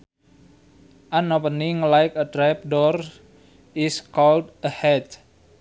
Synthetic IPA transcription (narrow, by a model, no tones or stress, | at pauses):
ʔanopəniŋlajkədɾap̚dɔr | iskɔldəhɛt